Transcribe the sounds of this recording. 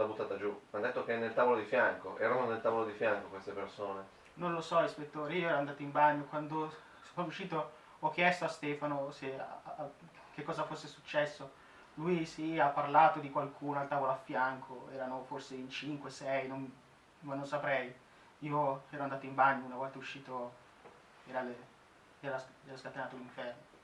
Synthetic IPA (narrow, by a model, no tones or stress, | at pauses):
at̪abut̪ːaːt̪ad͡ʒumad̪ːet̪ːokenːelt̪avolod̪ifjaŋkoʔɛ̰ːɾanonelt̪aːvolod̪ifjaŋkokwest̪epersoːne | nonlosɔrispet̪ːoːɾeiːoɛɾoand̪aːt̪oimbaɲːokwand̪o | sonɔuʃiːt̪o | ɔk̟ːjɛst̪oast̪ɛːfanose | k̟ekːɔːzafosːesut͡ʃːɛsːo | luisiapːarlaːt̪od̪ikwalkʰuːnoalt̪aːvoloafːjaŋkʰoɛːɾanoforseint͡ʃiŋkwesɛjnon | manonsapɾɛj | iːoɛːɾoand̪aːt̪oimbaɲːounavɔlt̪auʃːiːt̪o | ɛːɾale | ɛːɾasɛːɾaskat̪enaːt̪oliɱfɛrno